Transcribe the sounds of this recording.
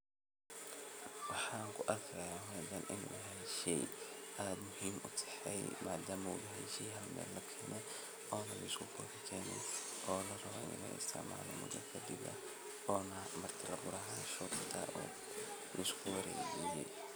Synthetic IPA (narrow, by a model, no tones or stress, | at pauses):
wɑħɑːŋkʰʊʔɐkʰɾɐjaːɦʊɐdɐnʔɪnṵɐɦɛnʃɛjʔaːd̪mʊhiːmʔʊt̪ʰɛ̥ħɛjmaːd̪aːmɐwʊðɐɦɛʃiːɦɐlmɛ̰ːlːɐkʰɛːnɛ | ɔːnɐlɐɪskʰʊbʊːt̪ɪt̪ʰɛːnɛj | ʔɔːlɐrɐβɔɪ̰nɐ̰ɣɐ̰ɪ̰st̪ʰɪ̰ʕma̰ːlɔ̰mʊ̰d̪ɐkʰɐd̪ɪbɐ̰ | ɔːnɐmɐrt̪ʰɪlɐbʊɾɐɦaːnʃɔkt̪ʰɐ̰ʔɔ̰ː | lɐɪskʰʊwɐɾɛ̰ːd͡ʒijɛ̰j